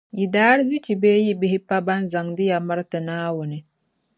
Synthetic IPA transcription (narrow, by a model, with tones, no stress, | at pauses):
i˨daː˦ɾzi˦t͡ʃi˨beː˦ji˦bɪ˦hi˦pa˦ba˦nza˨ŋdɪ˦ja˨ma˦ɾtɨ˨naː˦wʊ˨nɪ˨